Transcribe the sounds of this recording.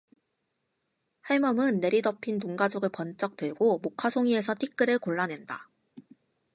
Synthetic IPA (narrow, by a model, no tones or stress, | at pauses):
haɭmʌmɯnːe̞ɾidʌpʰinːuŋɡad͡ʑoɡɯɭpʌnt͡ɕ͈ʌk̚t͈ɯɭɡomokʰasʰoŋie̞sʰʌtʰik͈ɯɾɯɭkoɭːane̞nda̰